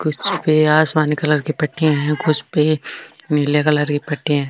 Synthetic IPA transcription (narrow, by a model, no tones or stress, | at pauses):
kʊt͡ʃʰpeaːsmaːnikɐləɾkipɐʈːijãɦɛ̃kʊt͡ʃʰpeniljakɐləɾkipɐʈːijãɦɛ